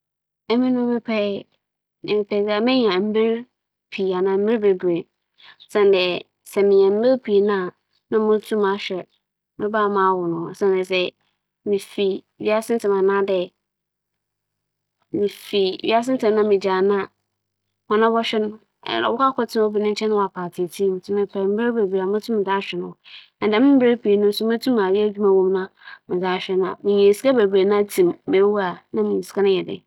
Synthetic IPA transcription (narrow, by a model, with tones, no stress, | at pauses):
ɛ˦mɪ̃˦nʊ̃˦mɪ̃˦pʰɛ˦˨ | nɪ̰̃˨mɪ̃˨pʰɛ˨˦sɛ˦˨mɪ̃˦ɲ˦ã˨m̩˦bɪ˦ɾ | pʰi˨a˨nã˨m̩˦bi˦ɾbe˨ɡe˨ | sɛ̃˨ndɛ˨ | sɛ˨mɪ̃˨ɲɛ̃˨m̩˦bɪ˦ɾpʰi˨nã˦˨ | nã˦mʊ̃˦tʰu˦mã˨˦ɕᶣɛ˨ | mɪ̃˦baː˦˨mãː˨˦wʊ˨nʊ̃˨sɛ̃˦ndɛ˨s̬ɛ˨ | mĩ˨fi˨ | ɥi˦a˦sɪ̃˦n˦tʰɪ̃˨mã˨nã˦dɛ˨ | mĩ˨fi˨ɥḭ˦a˦s̬ɪ̃˦n˦tɪ̃˨mnã˦mɪ̃˨d͡ʑa˨nã˦˨ | mɔ̃˨nã˦bɔ˦ɕᶣɛ˦nʊ̰̃˦˨ | a̰˨wɔ˦ka˦kʰɔ˦tʰɪ˦n˦ɔ˦bi˨nʊ̃˦ɲ̩˦t͡ɕʰɛ̃˦nʊ̃˦˨a˨pʰaː˨tʰɪ˨tʰĩː˦m˨tʰʊ̃˦mɪ̃˦pʰa˨m̩˦ba˦be˨bɾe˨a˨m˦ã˦tʰũ˦m˦mɪ̃˨daː˦ɕᶣɛ˨nʊ̃˨ | ã˨dã˨˦mɪ̃˦m̩˦be˦pi˨e˨nʊ̃˦n̩˦sʊ˦m˦ã˦tʰũ˦mã˨jɪ˦æ˦d͡ʑᶣu˦mã˨wɔ̃˦mnã˦mɪ̃˨d͡zaː˦ɕᶣɛ˦nã̰˨mɪ̃˨ɲɛ̃˨si̥˨˦ka˦be˨bɾe˨nã˦tʰĩ˨mːe˨˦wu˦a˨nã˦mĩ˨ɲ˨si̥˨˦ka˦nʊ̃˦jɛ˨dɪ̰˦